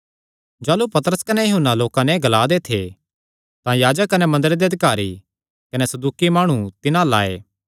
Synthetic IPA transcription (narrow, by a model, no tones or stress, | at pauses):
d͡ʒaːlupɐt̪əɾəskɐnɛjɐɦʊnːaloːkãnɛɡɐlaːd̪et̪ʰe | t̪ãjaːd͡ʒəkːɐnɛmɐ̃nd̪əɾed̪eɐd̪ɪkaːɾi | kɐnɛsɐd̪uːkimaːɽ̃ut̪ɪnãla̰ːḛː